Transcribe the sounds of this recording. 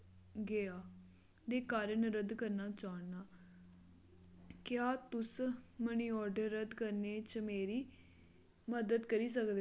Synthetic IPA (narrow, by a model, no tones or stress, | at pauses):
ɡeaː | d̪eːkaːɾənɾəd̪kəɾnaːt͡ʃaːɳːaː | kjaːt̪ʊsməniːɔːɾɖəɾːəd̪kəɾneːt͡ʃmeːɾiː | məd̪əd̪kəɾiːs̬əkd̪